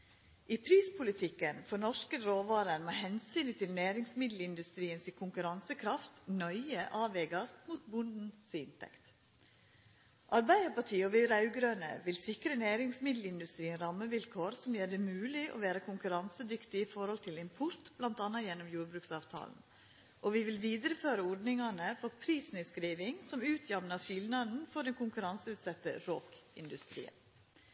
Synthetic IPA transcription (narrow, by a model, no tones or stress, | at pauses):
ʔiːpʰɾiːspʰʊlɪt̪ʰɪkːənfɔnɔʂkəɾoːʋɑːɾənmɑhɛnsyːnt̪ʰɪlnæːɾɪŋsmɪd̪l̩ɪnd̪ʉst̪ɾiːənsikʰʊŋkʉɾɑnsəkʰɾɑft̪nœʏəʔɑːʋɛːɡɑsmuːt̪bʊnd̪n̩sɪ̰nt̪ʰɛ̰kt̪ | ʔɑɾbæɪəɾpɑʈʰiːɔʋɪɾɑʉɡɾøːnə̰ʋɪlsɪkɾəneːɾɪŋsmɪd̪l̩ɪnd̪ʉst̪ɾiːənɾɑmːəʋɪlkʰoːɾsɔmjeːɖ̪ɛmʉːlɪʔo̰ːʋæːɾəkʰʊŋkʉɾɑnsəd̪ʏkt̪ɪiːfɔɾhɔlt̪ʰɪlɪmpʰʊɾt̪b̥lɑnt̪ɑnːɑjɛnːɔmjuːɾbɾʉːksɑːʋt̪ʰɑ̰ːln̩ | ʔɔʋiːʋɪlʋiːd̪əɾəføːɾəɔɾɖnɪŋɑnəfɔɾpʰɾiːsnɪskɾiːʋɪŋsɔmʉːt̪ʰjɑmnɑʃɪlnɑd̪n̩fɔɖɛnkʰʊŋkʉɾɑnsəʉːt̪sɑt̪ːə̰ɾoːkɪ̰nd̪ʉst̪ɾḭːə̰